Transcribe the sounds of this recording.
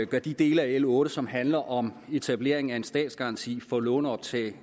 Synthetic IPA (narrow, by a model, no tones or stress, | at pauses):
ɡ̥ɶɐd̥id̥e̝ːləæelɔ̽ːɾəsɒ̽mɦænlɐʔɒ̽me̝t͡sʰæb̥le̝̰ɐe̝ŋ̩æe̝nsd̥ɛ̰ːd̥sɡ̥ɑ̈ɑ̈nt͡sʰḭːfɒ̽lɔ̽ːnəɒ̽b̥̚t͡sʰɛ̰ː